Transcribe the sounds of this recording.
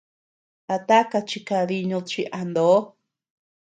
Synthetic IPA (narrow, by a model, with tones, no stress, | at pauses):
a˧t̪a˦ka˧t͡ʃi˧ka˧ði˧ɲũ˧t͡ʃi˧ʔa˧nd̪o˨˦